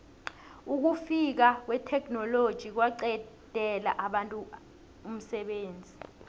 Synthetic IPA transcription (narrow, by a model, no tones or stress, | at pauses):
uk̬ufik̬ak̬wɛtʰɛk̬ʰnɔlod̥ʒ̥ʱik̬waǀɛ | d̥ʱɛla̰ʔaɓantʼu | um̩sɛɓeːnd͡zʱi